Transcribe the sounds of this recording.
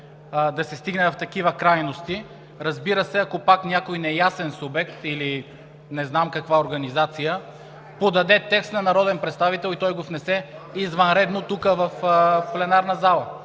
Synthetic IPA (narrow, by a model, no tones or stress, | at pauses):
d̪ɐsɛst̪iɡnɛvɐft̪ɐkivəkɾajnost̪i | ɾɐzbiɾəsɛɐkopaknʲakojnɛjasɛnsʊbɛkt̪ili | nɛznamkɐkvaoɾɡɐnizat̪sijə | pod̪ɐd̪ɛt̪ɛkst̪nɐnɐɾɔd̪ɛnpɾɛt̪st̪avit̪ɛlˠit̪ɔjɡovnɛsɛizvɐnɾɛd̪not̪ukəvɐfplɛnaɾnɐzalˠə